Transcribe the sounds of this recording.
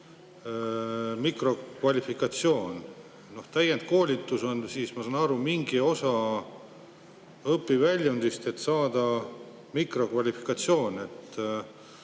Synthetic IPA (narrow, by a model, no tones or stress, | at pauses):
mikro̞kvɑlʲifikˑɑt̪sio̞ːn | no̞ht̪æjend̪̥̚ko̞ːlʲit̪ːˑuso̞nsiːsmɑsɑːnɑɾumiŋɡio̞sɑ | ɤpːˑivælʲjund̪̥ist̪e̞t̪sɑːd̪̥ɑ | mikro̞kvɑlʲifi̥kˑɑt̪sio̞ːne̞t̪ː